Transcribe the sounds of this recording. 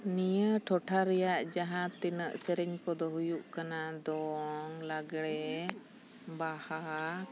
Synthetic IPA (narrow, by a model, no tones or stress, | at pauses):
nijəʈʰɔʈʰaɾɛjaʔd͡ʒaɦãt̪inəʔsɛɾɛɲkɔd̪ɔɦujuʔkanad̪ɔŋlaɡɽɛ | baha